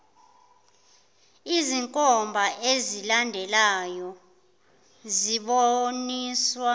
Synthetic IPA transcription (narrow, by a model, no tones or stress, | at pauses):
iziŋkʼɔmbʱaʔezilandʱɛlajɔ | ziɓoniswa